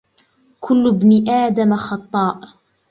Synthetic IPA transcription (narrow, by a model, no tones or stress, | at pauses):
kʰʊlːbnɪʔaːd̪amaxɑt̪ˤːɑːʔ